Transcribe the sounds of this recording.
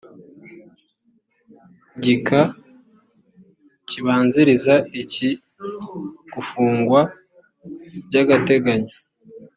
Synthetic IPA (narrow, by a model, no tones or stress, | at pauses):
ɟikʰa | ciβaːnziɾizaici | ɡ̥ufuːŋɡwa | bɟaɡate̞ɡaɲo